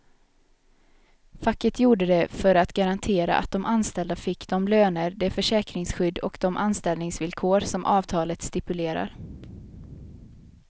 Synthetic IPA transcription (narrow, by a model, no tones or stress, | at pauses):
fakːət̪ʰjuːɖəd̪ɛfœɾat̪ɡaɾant̪ʰeːɾa̰ʔa̰t̪̚d̪ɔmʔanst̪ɛld̪afɪkːd̪ɔmløːnəɾd̪ɛfœʂɛːkɾɪŋsɧʏd̪ːɔ̰kd̪ɔmʔanst̪ɛlnɪŋsvɪlkʰoːɾsɔmʔɑːvt̪ʰɑːlət̪st̪ɪpɵleːɾa̰ɾ